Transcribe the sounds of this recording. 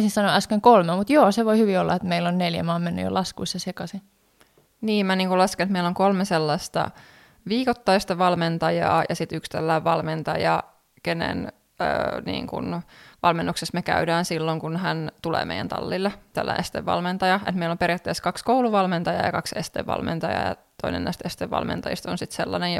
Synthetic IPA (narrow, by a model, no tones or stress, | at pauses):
sinsɑnoʔæskeŋkolmemut̪joːseʋoihyʋiolːɑ̰et̪meilːonneljæ̰mɑːmenːy̰jo̰lɑskuisːɑsekɑsi | niːmæniːŋkulɑsket̪meilːoŋkolmeselːɑst̪ɑ̰ | ʋiːkot̪ːɑjst̪ɑʋɑlment̪ɑjɑ̰ːjɑsit̪ykst̪ælːæːʋʋɑlment̪ɑjɑ̰ | kenḛn | ø̰nḭːŋkṵnʋɑlmenːuksesmekæ̰ydæːnsilːoŋkunhænt̪ulḛːmḛijæ̰nt̪ɑ̰lːilːet̪æ̰lːæ̰ʔest̪ḛʋːɑ̰lment̪ɑjɑʔet̪meilomperijɑt̪ːeːskɑkskouluʋɑlment̪ɑjɑ̰jɑ̰kɑksest̪ḛʋːɑ̰lmḛnt̪ɑjɑ̰ːjɑ̰t̪oinḛnnæ̰ist̪est̪eʋːɑ̰lmḛnt̪ɑjḭst̪onsit̪selːɑ̰nej